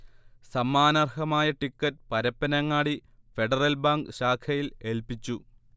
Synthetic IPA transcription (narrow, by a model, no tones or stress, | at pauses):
sɐmːaːnɐrhɐmaːjɐʈikːɐʈ̚pɐɾɐpːɐnɐŋːaːɽi | fe̞ɖɐrɐlbaːŋɡɕaːkʰɐjile̞lpit͡ɕːu